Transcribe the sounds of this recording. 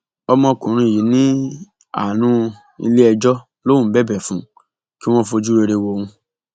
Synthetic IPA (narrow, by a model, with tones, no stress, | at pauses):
ɔ˧mɔ̃˧kũ˨ɾ̃ũ˧i˨ji˨˦nĩ˦ | a̰˨nũ˨˧˦ | ḭ˧le˦ɛ˧d͡ʒɔ˦ | lo˦ũ˨˦bɛ˦˨bɛ˨fũ˨˦ | ki˦w̃ɔ̃˦fo˧d͡ʒu˦ɾe˧ɾe˧wo˧wũ˧